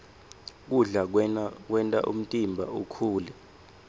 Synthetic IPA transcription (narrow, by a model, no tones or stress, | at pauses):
k̬uɮak̬wɛntʼa̰ʔṵm̩tʼimbʱaukʰuːlɛ